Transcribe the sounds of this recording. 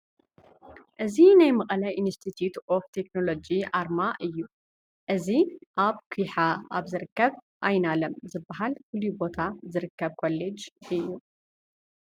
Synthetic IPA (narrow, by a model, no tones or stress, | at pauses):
ʔɨzinajmɐkʼɐlɐjʔinst̪ʰit̪ʰjut̪oft̪ʰe̞kno̞lo̞d͡ʒiʔaɾmaʔɨjːu | ʔɨziʔaβkʰujħaaβzɨɾɨkːɐβ | ʔajnalɐmzɨbːɐɦalfɨlːubo̞t̪ʰazɨɾɨkːɐβkʰolːed͡ʒɨjːu